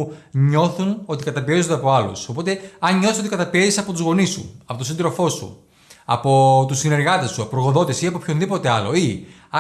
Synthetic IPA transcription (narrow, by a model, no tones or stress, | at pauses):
ɲo̞θuno̞t̪ikɐt̪ɐpiezod̪eɐpo̞ɐlṵso̞po̞t̪e̞ɐnɲoθisot̪ikɐt̪ɐpiezisɐpo̞t̪uzɣo̞nisṵɐpot̪osind̪ɾo̞fo̞sṵ | ɐpo̞t̪usine̞ɾɣɐt̪e̞suɐpoɾoɣo̞ðo̞t̪esiɐpo̞pço̞nðipo̞t̪e̞ɐlo̞̰i